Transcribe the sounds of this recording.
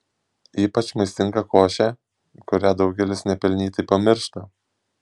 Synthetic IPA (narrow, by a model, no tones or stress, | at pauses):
iːpɐt͡ʃmɐɪst̪ʲɪŋɡɐkoːʃʲæ | kʊɾʲæːd̪ɒʊɡʲɛlʲɪsnʲɛpʲɛlʲnʲiːt̪ʲɐɪpɐmʲɪɾʃt̪ɐ